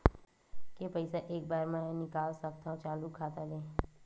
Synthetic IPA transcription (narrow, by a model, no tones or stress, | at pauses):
kepəɪsaʔeːk̚baːɾmɛ̃nɪkaːlsəkt̪aːɦũt͡ʃaːlukʰaːt̪aleː